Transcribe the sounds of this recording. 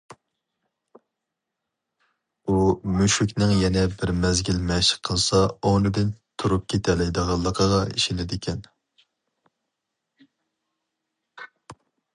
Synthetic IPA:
umyʃykʲnɪŋjɛnɛbɪɾmɛzɡʲilmɛʃɪ̥qʰːəlˠsɑonɨd̪ɪnt̪ʰuɾup̚kʲʰet̪ʰɛlɪd̪əʁɑlˠːəqʰəʁɑiʃɪnɪd̪ɪkʲʰɛn

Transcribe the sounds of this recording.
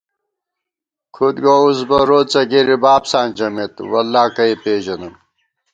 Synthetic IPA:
kʰud̪ɡousbɐɾoːt͡sɐɡeɾibaːpsaːnd͡ʑɐmet̪wɐlːaːkɐipeːʑɐnɐn

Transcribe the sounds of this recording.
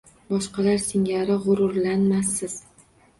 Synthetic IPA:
bɒʃqɑlaɾsɪŋaɾɪʁʊɾʊɾlanmasɪz̥

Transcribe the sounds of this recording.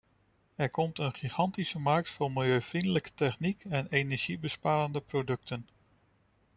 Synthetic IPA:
ɛɹkɔmtənχiχɑntisəmɑɹk̚tfʊmɪlˠjøɥfrindələkə̥tɛχnikɛnejnɛɹʒ̥ibəspaːɾəndəprodɵk̚tən

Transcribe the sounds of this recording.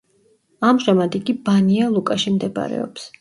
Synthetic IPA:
amʒamad̪iɡibanialˠukʼaʃimd̪ɛb̰ɾɛ̰ɔ̰ps

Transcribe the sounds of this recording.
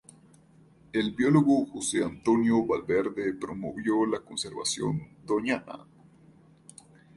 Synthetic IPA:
elbjoloɣoxoseant̪onjoβalbeɾd̪epɾomo̰βjolakonseɾβa̰sjo̰nd̪oɲana̰

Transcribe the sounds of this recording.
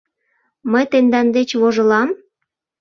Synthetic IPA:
məjt̪end̪ɑnd̪et͡ɕβoʒə̆lɑm

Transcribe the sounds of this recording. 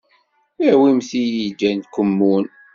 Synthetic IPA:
æwimθijid͡ʒːænt̪kʷːəmːun

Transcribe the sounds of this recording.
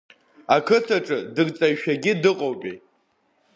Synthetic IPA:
akʰɨtʰaʈ͡ʂʼɨdɨrt͡sʼajʃᶣaɡʲɪdɨqʼowpʼḭ

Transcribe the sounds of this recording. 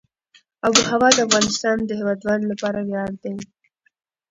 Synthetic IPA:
aɡuhawɑd̪əafɣɑnɪst̪ɑnd̪əɦewɑd̪wand̪lapɑɾawjɑɽd̪e

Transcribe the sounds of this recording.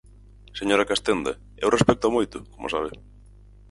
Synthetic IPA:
seɲoɾakast̪end̪a̰ | ewrespɛk̚t̪amojt̪ʊkomʊ̰saβɪ

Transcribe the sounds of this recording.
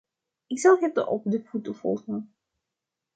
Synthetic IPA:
ɪksɑlˠɦɛtə̰ʔɔpdəfutəfɔ̰lˠχən

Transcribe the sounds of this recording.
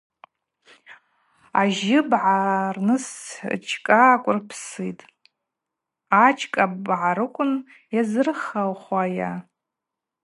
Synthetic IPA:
aʒɪbʕarnɨst͡ʃʰkʼakʷʼʊrpʰsitʼ | at͡ʃʰʼkʼabʕaɾɨkʷʼʊn | jazɨrχalχʷaja

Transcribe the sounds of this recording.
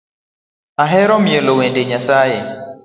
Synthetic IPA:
aɦɛɾɔmjelowendeɲasaje

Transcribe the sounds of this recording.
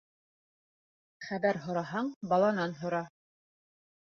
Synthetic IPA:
χæβæɾɦŏɾɑɦɑɴbɑlˠɑnɑnɦŏɾɑ

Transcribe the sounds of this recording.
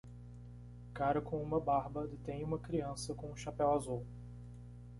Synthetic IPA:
kaɾɐkõũmɐbaɾbɐd̪et̪ẽj̃ũmɐkɾiɐ̃sɐkõũʃapɛwazuw

